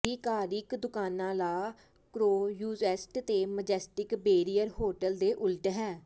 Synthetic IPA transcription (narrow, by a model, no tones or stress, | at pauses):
iːkaːɾɪkd̪ʊkaːnãːlaː | kɾoːjuːzɛːsʈt̪eːməd͡ʒɛːsʈɪkbeːɾijəɾɦoːʈəld̪eːʔʊlʈɦɛː